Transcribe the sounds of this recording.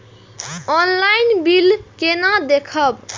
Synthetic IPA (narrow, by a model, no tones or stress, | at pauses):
ɔnlainbilkenad̪ekʰəb